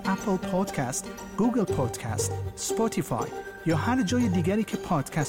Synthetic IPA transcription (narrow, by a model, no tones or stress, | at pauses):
ʔæpʰlpʰɔd̪̥kʰæst̪ | ɡ̥uɡelpʰɔd̪̥kʰæ̰st̪spot̪ʰifɑ̰j | jɒːhæɾd͡ʒɒːjed̪iːɡʲæɾiːkʰepʰɒːd̪̥kʲʰæs